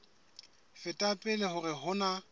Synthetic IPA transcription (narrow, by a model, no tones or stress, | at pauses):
fɪtʼapʼɪlɪhʊrɪɦʊna